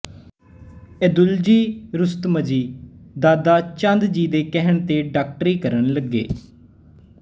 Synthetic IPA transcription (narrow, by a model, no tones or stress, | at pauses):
ɛd̪ʊld͡ʒiːɾʊst̪məd͡ʒiːd̪aːd̪aːt͡ʃə̃nd̪d͡ʒiːd̪eːkɛɦəɳt̪eːɖaːk̚ʈɾiːkəɾənləɡːḛː